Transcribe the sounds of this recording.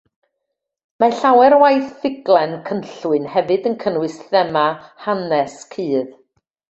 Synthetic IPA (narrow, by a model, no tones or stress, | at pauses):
maɬawɛɾwajθfɪɡlˠɛnkʰənɬwɨnhɛvɨdənkʰənwɨsθɛmahanɛskʰɨːð